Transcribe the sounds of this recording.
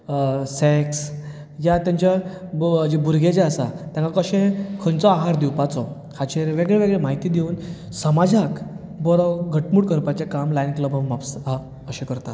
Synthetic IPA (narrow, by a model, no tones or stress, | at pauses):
seks | jat̪jãɲt͡ɕja | d͡ʑebuɾɡʱed͡ʑeasat̪jãŋkakəɕẽkʰənt͡sɔaɦaɾd̪iwpat͡sɔ | kʰat͡ɕeɾʋeɡɭeʋeɡɭemaɦit̪iːd̪eun | səmad͡zʱak | bɔɾɔɡʱəʈmuːɽkəɾpat͡ɕekamlainkləbʱamapsa | əɕẽkəɾt̪at̪